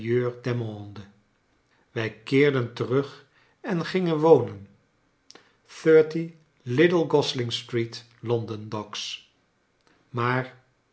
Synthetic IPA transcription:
jøːɹdɛmlɔndə | ʋɛjkɪːɹdəntərɵχ | ɛnχɪŋənʋownən | θøːɹti | lɪdəlˠɡɔslɪŋstrit | lɔndəndɔks | maːɹ

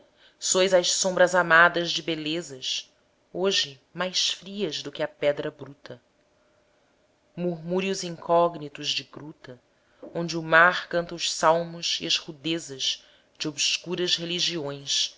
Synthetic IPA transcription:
sojzɐʃsõmbɾɐzamad̪ɐzd͡ʒɪbelezɐʃ | oʒɪ | majsfɾiɐzd̪ʊkɪɐpɛd̪ɾɐbɾut̪ʰɐ | muɦmuɾiuzĩŋkʰɔɡnit̪ʊzd͡ʒɪɡɾut̪ɐ | õnd͡ʒɪumaɾkɐ̃nt̪ɐʊʃsawmʊziɐʃhud̪ezɐz̥ | d͡ʒɪobskuɾɐzheliʒiõj̃s

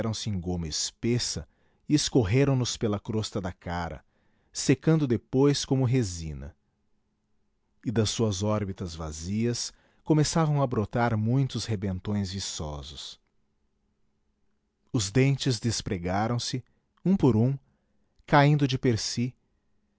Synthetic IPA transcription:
ɾɐ̃w̃sɪẽj̃ɡõmɐɪspesɐ | ɪeskoɦeɾɐ̃w̃nʊspelɐkɾost̪ɐd̪ɐkaɾɐ̰ | sekɐ̃nd̪ʊd̪epojskõmʊɦezḭ̃nɐ̰ | ɪd̪ɐsːuɐzɔɾbit̪ɐzva̰ziɐs | komesavɐ̃w̃ɐbɾot̪aɾmũj̃t̪ʊshebẽnt̪õj̃zvisɔ̰zʊs | ʊzd̪ẽnt͡ʃɪzd̪espɾeɡaɾɐ̃w̃sɪ | ũpoɾũ | kaĩnd̪ʊd͡ʒɪpeɾsi

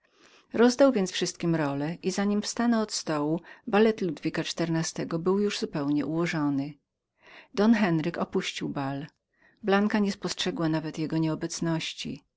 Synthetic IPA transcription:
ɾɔzd̪awvʲjɛnsfʂɘst̪kʲimɾɔlɛʔizaɲimfst̪anɔːt̪st̪ɔwubalɛt̪lud̪vʲikat͡ʂt̪ɛɾnast̪ɛɡɔbɘwjuʐzupɛwɲɛʔuwɔʐɔnɘ | d̪ɔnxɛnɾɘkɔpuɕt͡ɕiwbal | blaŋkaɲɛspɔstʂɛɡwanavɛt̪jɛɡɔɲɛɔbɛt̪snɔɕt͡ɕḭ

